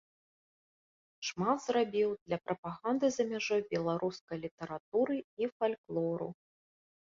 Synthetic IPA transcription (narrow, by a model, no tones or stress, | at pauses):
ʂmad̪zrabʲiwd̪lʲɐpɾɐpaɣand̪ɨzɐmʲaʐɔjbʲɛlˠaɾʔuskɐjlʲit̪ɐɾat̪uɾɨifalʲklˠɔɾṵ